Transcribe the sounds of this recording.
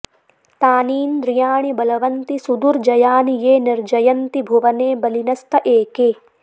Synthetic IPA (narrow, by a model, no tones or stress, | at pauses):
t̪aːniːnd̪ɾijaːɳibɐlɐʋɐnt̪isud̪uɾd͡ʒɐjaːnijeːniɾd͡ʒɐjɐnt̪ibʱuʋɐneːbɐlinɐst̪ʰɐʔeːkeː